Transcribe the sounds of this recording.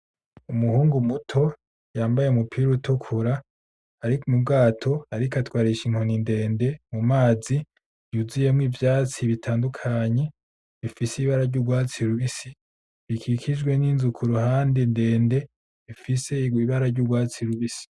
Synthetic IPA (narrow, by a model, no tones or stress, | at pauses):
umuhuːŋɡumutʰo̞ | jaːmbaje̞umupʰiːɾuutukʰuɾaː | ɾikumub̚ɡaːtʰo̞aɾikatwaːɾiʃiŋ̥honinde̞ːnde̞mumaːzi | juzije̞mŋwiːvjaːt͡siβitʰaːndukʰaɲe̞ | βifisiβaɾaɾɟuːɡwaːt͡siɾuβisi | βikʰikʰid͡ʒɡwe̞niːnzukʰuɾuhaːndinde̞ːnde̞ | βifise̞iwiβaɾaɾɟuːɡwaːt͡siɾuβisi̥